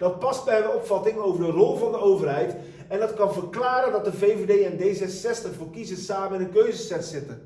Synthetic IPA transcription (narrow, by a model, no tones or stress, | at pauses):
d̥ɑt̚pɑst̚bɛjənɔpfɑtɪŋowvəɹdərɔlˠvɑndəowvərɦɛjt | ɛndɑtkɑnvəɹklaːɾəndɑt̚dəvejvedejɛndejzɛssɛstəχvoːɹkizəsaːməɪnənkøɥzəsɛtsɪtən